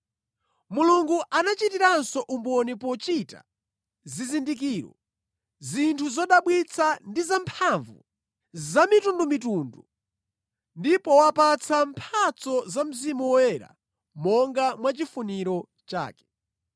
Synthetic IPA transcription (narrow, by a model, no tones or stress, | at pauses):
muluŋɡuʔanat͡ʃitiɾansɔʔumbɔnipɔt͡ʃita̰ | zizindik̬iːɾɔ̰ | zintʰuzɔɗaɓwit͡sʰandizampʰaɱvṵ | zamitundumit̬undu | ndipɔwapat͡sʰampʰat͡sɔzam̩zimuwɔwɛɾa̰ | mɔŋɡamwat͡ʃifuniɾɔ | t͡ʃa̰ːkɛ̥